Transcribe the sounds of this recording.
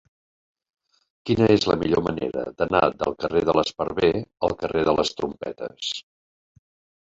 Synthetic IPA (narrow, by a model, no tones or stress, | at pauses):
kinəezləmiʎomənḛɾə̰d̪ənad̪əlˠkəreðələspəɾβeəlˠkəreðələst̪ɾumpɛt̪əs